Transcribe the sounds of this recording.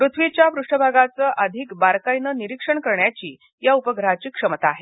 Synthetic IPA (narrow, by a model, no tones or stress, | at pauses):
pɾut̪ʰʋit͡ɕjapɾuʂʈəbʱaɡat͡səːʔəd̪ʱiːkbaɾkajnəniɾikʂəɳkəɾɳjat͡ɕiː | jaupəɡɾat͡ɕiːkʂəmət̪aːɦe